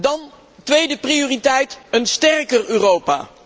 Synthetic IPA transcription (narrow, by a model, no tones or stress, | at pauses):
dɑn | tʋejdəprijoːritɛjtənstɛrkəryːrowpa̰ː